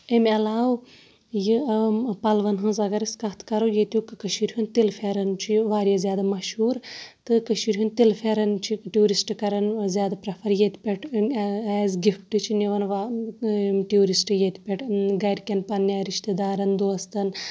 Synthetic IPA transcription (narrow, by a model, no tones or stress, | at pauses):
emʲɐlaːw | jɨpɐlʋɐnɦɨ̃zɐɡɐɾiskɐt̪ʰkɐɾojet̪ʲukɨkɐʃiɾɦunt̪ilfʰeɾɐnt͡ʃʰiʋaːɾjazjaːd̪amɐʃhuːɾt̪ɨkɐʃiɾʲɦunt̪ilfʰeɾɐnt͡ʃʰiʈjuːɾisʈkɐɾɐnzʲjaːd̪apɾɐpʰɐɾjet̪pʲeʈʰɛːzɡifʈɨt͡ʃʰiniʋɐnʋa | ʈjuːɾisʈjet̪ʰpʲeʈɡɐjɖkʲenpɐnːjaːɾiʃt̪ed̪aːɾɐnd̪oːɐst̪ɐn